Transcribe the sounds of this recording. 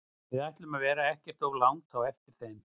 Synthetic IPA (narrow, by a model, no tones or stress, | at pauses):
ɪðajht̪lʏmavɛːɾaɛhcɛr̥t̪oɣlawŋt̪ʰawɛft̪ɪɾ̥θejm